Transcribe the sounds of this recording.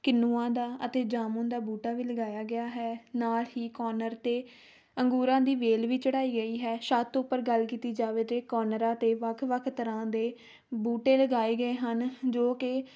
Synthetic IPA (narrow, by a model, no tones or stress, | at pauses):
kɪnːuːãːd̪aːʔət̪eːd͡ʒaːmõːnd̪aːbuːʈaːʋiːləɡaːjaːɡɪaːɦɛːnaːlhiːkɔːnəɾt̪eː | əŋɡuːɾãːd̪iːʋeːlʋiːt͡ʃəɽaːiːɡəiːɦɛːʃaːt̪ʊpːəɾɡəlkiːt̪iːd͡ʒaːʋeːt̪eːkɔːnəɾãːt̪eːʋəkʰʋəkʰt̪əɾãːd̪eː | buːʈeːləɡaːeːɡəeːɦənd͡ʒoːkɪ